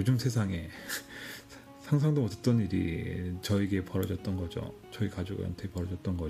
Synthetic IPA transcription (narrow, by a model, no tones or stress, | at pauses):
jod͡ʑɯmsʰe̞sʰaŋe̞ | sʰaŋsʰaŋdoʌtʰet͈ʌɲiɾḭt͡ɕʌiɡe̞pʌɾʌd͡ʑʌt̚t͈ʌnɡʌd͡ʑo̰ | t͡ɕʌikad͡ʑoɡo̰ʌ̰ntʰekpʌɾʌd͡ʑʌt̚t͈ʌnɡʌ